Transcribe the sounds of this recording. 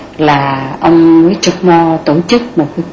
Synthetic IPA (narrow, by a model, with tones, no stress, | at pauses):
laː˨˩ʔə˧wŋ͡mməː˨˦jt͡ɕə˧k̚mɔ˧t̪o˧˩t͡ɕɨ˦˥k̚mo˨˩t̚ka˨˦